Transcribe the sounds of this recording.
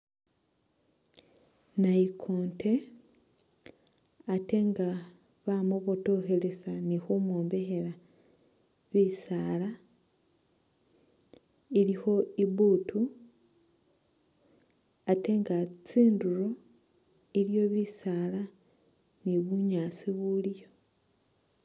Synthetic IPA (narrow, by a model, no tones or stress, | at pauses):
naikʰoːnte̞ | ate̞ŋɡa | βamoβoto̞xe̞le̞sanixumwuːmbe̞xe̞la | βisaːla | ilixo̞iβutʰu | ate̞ŋɡat͡siːnduɾo̞ | iljo̞βisala | niβuɲaːt͡siβuljo̞